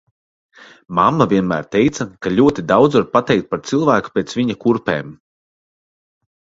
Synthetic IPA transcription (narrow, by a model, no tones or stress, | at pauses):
mamːavʲiɛnmæːɾt̪ɛjt̪sɐkaʎʲuɔt̪id̪awd̪zvaɾpat̪ɛjk̚t̪̚paɾt̪silˠvæːku̥pʲɛːt̪svʲiɲakuɾpɛ̰ːm